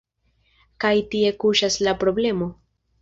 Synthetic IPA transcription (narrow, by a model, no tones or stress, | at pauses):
kajtie̞kuʃaslapɾo̞ble̞mo̞